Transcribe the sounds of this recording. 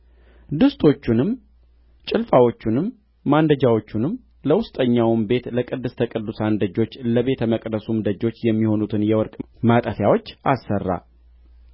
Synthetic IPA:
d̪ɨst̪ʰo̞t͡ʃːunɨm | t͡ʃʼɪlfawo̞t͡ʃːunɨmː | and̪əd͡ʒawo̞t͡ʃːunɨm | ləwʊst̪ʼəɲːawmbe̞t̪ləkʼɨd̪ːɨst̪ʰəkʼɨd̪ːusand̪əd͡ʒo̞t͡ʃːləβe̞t̪ʰəməkʼd̪əsumd̪əd͡ʒo̞t͡ʃːjɛmːiho̞nut̪ʰɨnjɛwɔɾkʼ | mat̪ʼəfjawo̞t͡ʃːasːərːa̰

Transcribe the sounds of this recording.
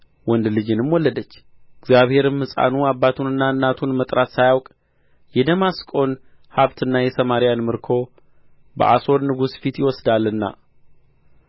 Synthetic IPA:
wɔnd̪lɨd͡ʒɨnɨmwɔlːəd̪ət͡ʃː | ɨɡzjaβhe̞ɾɨmːɨsʼa̰nuabːat̪ʰunɨnːaɨnːat̪ʰunmət̪ʼɾat̪sajawkʼ | jɛd̪əmaskʼo̞n | haβt̪ʰɨnːajɛsəmaɾijanmɨɾkʰo̞ | bə̰ʔaso̞ɾnɨɡusfit̪jɪwɔsd̪alːɨnːa̰

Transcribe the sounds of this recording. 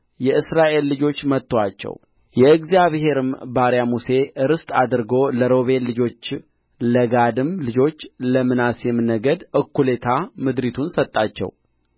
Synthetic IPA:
jɛɨsɾaʔe̞lːɨd͡ʒo̞t͡ʃːmət̪ːoat͡ʃːɛ̰w | jɛɨɡzijaβhe̞ɾɨmbaɾjamuse̞ʔɨɾɨst̪ʼad̪ɨɾɡo̞ləɾo̞βe̞nlɨd͡ʒo̞t͡ʃː | ləɡad̪ɨmlɨd͡ʒo̞t͡ʃːləmɨnasjɛmɨnːəɡəd̪ʔɨkːule̞t̪ʰamɨd̪ɾit̪ʰunsət̪ʼːat͡ʃːɛ̰w

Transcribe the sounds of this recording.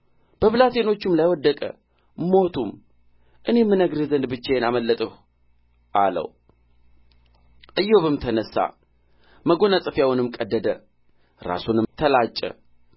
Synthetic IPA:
b̥əβlat̪ʰe̞no̞t͡ʃːɨmlajwɔd̪ːəkʼə̰ | mo̞t̪ʰum | ʔɨne̞mːɨnəɡɾizənd̪bɨt͡ʃːejenaməlːət̪ʼəh | ʔalə̰w | ʔɨjːoβɨmt̪ʰənəsːa̰ | məɡo̞nasʼɨfjawunɨmkʼəd̪ːəd̪ə | ɾa̰sunɨmt̪ʰəlat͡ʃʼːə̰

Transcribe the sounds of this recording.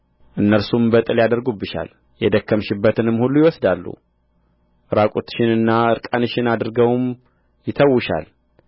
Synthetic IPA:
ʔɨnːəɾsumbət̪ʼɨljad̪əɾɡubːɨʃa̰l | jɛd̪əkːəmʃɪbːət̪ʰɨnɨmːhulːujɪwɔsd̪alːṵ | ʔɨɾakʼut̪ʃɪnɨnːaɨɾkʼanɨʃɪnad̪ɾɡəwm | jɪt̪ʰəwːʊʃa̰l

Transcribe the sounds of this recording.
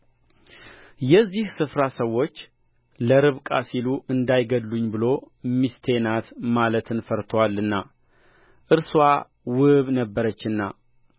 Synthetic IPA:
jɛzːihsɨfɾasəwːo̞t͡ʃː | ləɾɨβkʼasiluʔɨnd̪ajɡəd̪luɲːbɨlo̞ | mist̪ʰenat̪malət̪ʰɨnfəɾt̪ʰəwalːɨnːa | ʔɨɾswa | wɨβnəbːəɾət͡ʃːɨnːa̰

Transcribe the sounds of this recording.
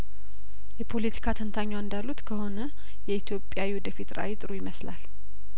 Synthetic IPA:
jɛpʰo̞lit̪ʰi̥kʰat̪ʰənt̪ʰaɲːaɨnd̪alːut̪kʰəho̞nə | jɛit̪ʰjo̞pʼːjawiwɔd̪əfit̪ɾa̰jit̪ʼɨɾujɪməslal

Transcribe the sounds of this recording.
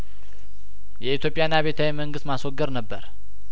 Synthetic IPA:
jɛit̪ʰjo̞pʼːjanːaβe̞t̪ʰawɛməŋɡɨst̪maswɔɡːəɾnəbːəɾ

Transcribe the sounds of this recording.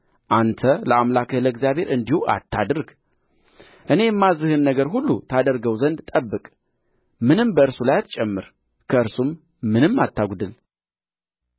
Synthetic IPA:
ʔant̪ʰələamlakʰɨləɡzjaβhe̞ɾʔɨnd̪ihuʔa̰t̪ʰːa̰d̪ɾɡ | ʔɨne̞jɛmːazːɨhɨnːəɡəɾɦulːut̪ʰad̪əɾɡəwzənd̪t̪ʼəbːɨkʼ | mɨnɨmbəɨɾsulajat̪t͡ʃʼɛmːɨɾ | kʰəɨɾsumː | ɨnɨmːat̪ʰːaɡʷd̪ɨl

